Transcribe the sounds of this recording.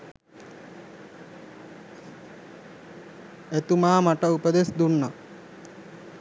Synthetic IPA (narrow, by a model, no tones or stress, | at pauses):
et̪umaːmaʈəupəd̪esd̪unːa